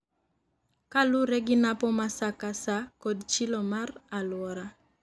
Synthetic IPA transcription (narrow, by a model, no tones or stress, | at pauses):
kaluɾɛɡinapɔmasakasakɔdt͡ʃilɔmaralwɔɾa